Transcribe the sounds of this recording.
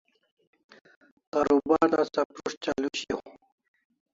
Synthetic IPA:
kaɾubaɾd̪asapɾuʂt͡ɕaluɕio̰

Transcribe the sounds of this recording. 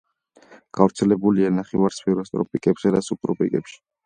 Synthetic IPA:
ɡ̥avɾt̪sʰɛlɛbulianaχɛvaɾspɛɾɔst̪ʼɾɔ̰pʼikʼɛbzɛd̪asupʰɾɔpʼḭkʼɛpʃi̥

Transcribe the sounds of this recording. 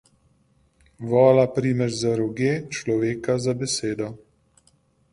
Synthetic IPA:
ʋɔːlapɾiːmɛɾzaɾɔɡeːt͡ʃlɔʋeːkazabɛseːd̪ɔ

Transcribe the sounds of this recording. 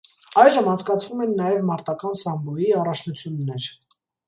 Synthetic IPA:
ɑjʒəmɑnt͡skɑt͡sʰvumɛnːɑjɛvmɑɾt̪ɑkɑnsɑmbɔjiɑrɑt͡ʃʰnut͡sʰjunːɛɾ

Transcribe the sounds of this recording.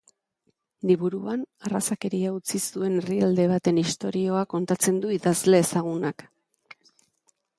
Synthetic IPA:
liβuɾuanarasake̞ɾiaut͡sisue̞neriald̪e̞β̞at̪e̞nist̪o̞ɾio̞ako̞nt̪at͡se̞nd̪uiðazle̞ːsaɣunak

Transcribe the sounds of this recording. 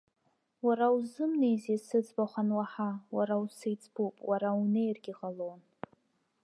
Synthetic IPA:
waɾauzɨmnejzisɨd͡zbaχʷanwaħawaɾawsejt͡sʼbupʼwaɾaunejrɡʲiʁalon

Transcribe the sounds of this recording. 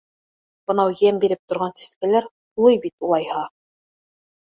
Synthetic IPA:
b̥ɤ̆nɑwjæmbiɾɘp̚t̪ŏɾʁɑnsi̥skælæɾ | ulˠɤjbit̪ulˠɑjhɑ

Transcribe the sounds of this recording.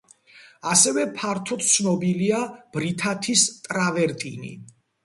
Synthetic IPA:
asɛvɛpʰaɾt̪ʰɔt̪̚ʰt̪sʰnɔbiliab̥ɾit̪ʰat̪ʰist̪ʼɾavɛɾt̪ʼḭnḭ

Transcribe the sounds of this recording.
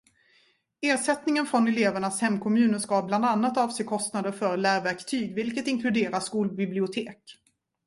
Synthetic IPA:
eːʂɛt̪nɪŋənfɾɔnɛleːvəɳashɛmːkʰɔmʉ̟ːnəʂkabland̪anːat̪ɑːvsɛjkʰɔst̪nad̪əɾfœɾlæːɾvæɾkt̪ʰyːɡvɪlkət̪ɪŋkʰlɵd̪eːɾaʂkuːlbɪblɪʊt̪ʰeːk

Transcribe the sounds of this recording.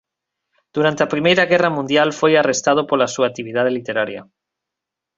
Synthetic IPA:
d̪̥uɾant̪eapɾimejɾɐɣɛrɐmũnd̪jalfojarest̪að̞opolasuak̚t̪iβ̞iðað̞elit̪eɾaɾjɐ̰

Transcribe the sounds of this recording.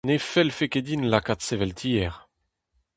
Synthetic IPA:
nefɛlfeked̪inlakat̪sevɛlt̪ʰiːɛʁ

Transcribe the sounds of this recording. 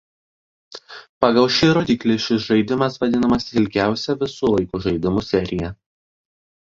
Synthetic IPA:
pɑɡɐlˠʃʲɪɾoːd̪ʲiklʲeʃʲɪsʒɐɪd̪ʲɪmɐsʋɐd̪ʲɪnɐmɐsʲɪɪlʲɡʲæˑʊsʲɛʋʲɪsuːlˠɐɪkuːʒɐɪd̪ʲɪmuːsʲɛɾʲɪjɛ

